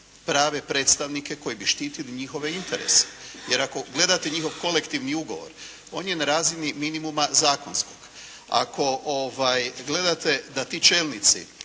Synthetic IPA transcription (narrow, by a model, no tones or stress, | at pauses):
pɾaːʋe̞pɾe̞ːt̪st̪aʋnike̞ko̞jibiʃt̪iːt̪iliɲixo̞ʋe̞int̪e̞ɾḛse̥je̞ɾako̞ɡle̞d̪at̪e̞ɲixo̞ʋko̞le̞kt̪iʋniuɡo̞̰ʋo̞̰ɾ | o̞ːnje̞naɾaːziniminimumazaːko̞nsko̞ɡ̥ | a̰kʰo̞ʔoʋajɡle̞d̪at̪e̞d̪at̪it͡ʃe̞ːlˠnit̪sḭ